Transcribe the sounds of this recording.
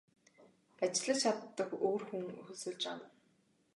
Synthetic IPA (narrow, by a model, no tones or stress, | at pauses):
at͡ɕɪɮə̆t͡ɕʰat̪ːə̆koːrxuŋxɵsɵ̆ɮt͡ɕa̰wə